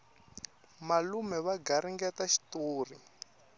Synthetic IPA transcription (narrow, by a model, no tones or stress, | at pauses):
malumɛβaɡaɾiŋɡɛtaʃi̥toːri